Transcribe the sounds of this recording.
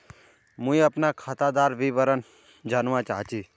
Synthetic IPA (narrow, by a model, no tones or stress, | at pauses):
mũĩəpnakʰat̪ad̪aːɾʋiʋəɾən | d͡ʒanʋãt͡ʃaːɦt͡ʃiː